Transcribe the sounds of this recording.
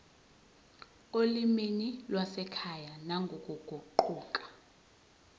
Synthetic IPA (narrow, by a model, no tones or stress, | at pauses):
oliminilwasɛkʰajanaŋɡʱɔkʼuɡ̥ʱuǃuːkʼḁ